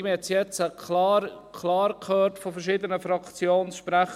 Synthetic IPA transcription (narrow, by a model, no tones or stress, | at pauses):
mɛt͡sjɛt͡səklɑɾ | kʰlɑːɾkʰøːɾtfofɛɾʃiːdənəfɾɑkt͡sjoːnsʃpɾæχ